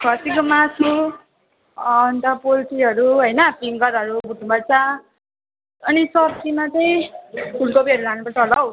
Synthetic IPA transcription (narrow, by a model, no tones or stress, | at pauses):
kʰasikomasu | nt̪ʌpolʈʰiɦʌɾuɦʌjnʌpiŋɡʌɾɦʌɾubuʈʰnupʌrt͡sʰʌ | ʌnisʌbtimat͡sʌj̃pʰulkopiɦʌɾulanupʌrt͡sʰʌlʌw